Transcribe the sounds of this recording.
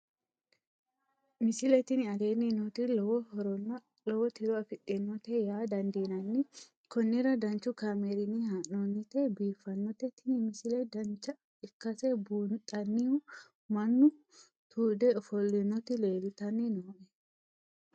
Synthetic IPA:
mɪsɪlɛt̪ɪnɪɐd̪eːnːinot̪ɪlɔwɔhɔɾɔn | lɔwɔt̪ɪɾɔɐfɪɗɛnːɔt̪ɛjaːd̪ɐnd̪iːnɐnːɪ | kɔnːɪɾɐd̪ɐnt͡ʃːʊkaːmeɾɪnihaʔɔnːɪt̪ɛbiːfːɐnːɔt̪ɛt̪ːɪnɪmɪsɪlɛd̪ɐnt͡ʃːɐ | ɪkːɐsɛbuːnt̪ʼɐnːɪʊ | mɐnːʊ | t̪uːd̪ɛɔfɔlːɪnːɔt̪ɪleːlɪt̪ɐnːɪnoːʔɛ

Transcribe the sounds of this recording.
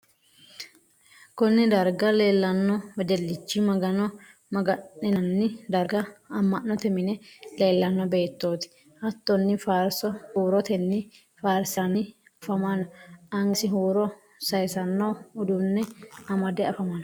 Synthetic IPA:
kɔnːɛd̪ɐɾɡɐle̞ːlːɐnːɔwɛd͡ʒ̪ɛlːɪt͡ʃːɪmɐɡɐnɔ | mɐɡɐnːɪnɐnːɪd̪ɐɾɡɐɐmːɐnːɔt̪ɛmɪnɛle̞ːlːɐnːɔbe̞ːt̪ːo̞ːt̪ɪ̥ | ʔɐt̪ːɔnːɪfaːɾsɔhuːɾɔt̪ɛnːɪ | faːɾsɐnɪ | ɐfɐmɐnʔɐŋsɪɦuːɾɔ | sɐjsɐnːɔʊd̪unːɛɐmɐd̪ɛɐfɐmɐnɐ

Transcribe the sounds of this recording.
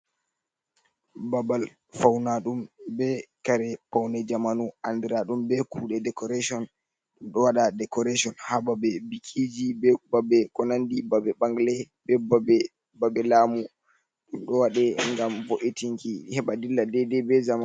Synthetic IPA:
babal | fawnaɗumbɛkaɾɛpawnɛd͡ʒamanuʔandɛɾaɗumbɛkuɗɛdɛkɔɾasɔn | ɗumɗɔwaɗadɛkɔɾasɔnhababɛbikʰid͡ʒibɛbabɛkɔnandibabɛɓaŋɡlɛ | bɛbb | babɛlaːmu | ɗumɗɔwaɗɛŋɡamvoʔitiŋkihɛɓadilːadɛdɛbɛzama

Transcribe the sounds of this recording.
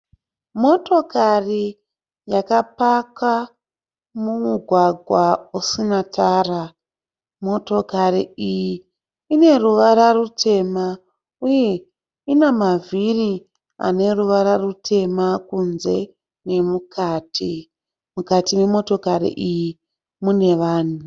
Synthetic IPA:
mo̞to̞kari | jakapaka | mumuɡʱwaɡʱwausinatʰaːra | mo̞to̞kariiji | ine̞ruʋaɾarutʰe̞ma | uje̞ | inamaviri | a̰ne̞ruʋaɾarutʰe̞makunze̞ | ne̞mukʰaːtʰi | mukatime̞mo̞to̞kaɾḭʔiji | mune̞ʋaːn̤u

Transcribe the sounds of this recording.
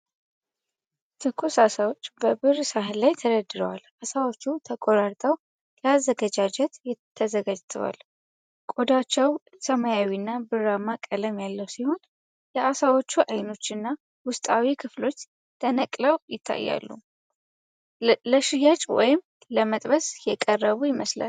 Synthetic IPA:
t̪ʰɨkʰːosasawo̞t͡ʃːbəbɨrsaɦlajt̪ʰəɾəd̪ɨɾəwalʔasawot͡ʃːut̪ʰəkʼoɾaɾt̪ʼʰəw | jɛazːəɡəd͡ʒad͡ʒɛt̪jɪːəzəɡad͡ʒt̪ʰəwa̰l | kʼod̪at͡ʃːɛw | səmajawinːabɨɾamakʼələmjalːəwsiho̞n | jɛʔasawo̞t͡ʃːuʔajno̞t͡ʃːɨnːa | wʊst̪ʼawikʰɨflo̞t͡ʃː | t̪ʰənəkʼləwjɪt̪ʰːa̰jːa̰lːṵ | ləʃɪjat͡ʃʼwɔ̰jɪm | ləmət̪ʼbəsjɛkʼərːəβujɪməsla̰l

